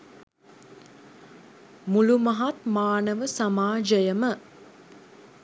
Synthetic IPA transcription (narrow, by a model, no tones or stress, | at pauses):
mulumɐɦat̪maːnəʋəsamaːd͡ʒəjəmə